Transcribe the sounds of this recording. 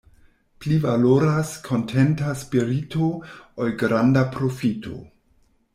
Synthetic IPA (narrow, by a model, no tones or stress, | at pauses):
plivaloɾaskʰo̞ntʰentaspiɾitʰoolɡɾandapɾofitʰo̞̰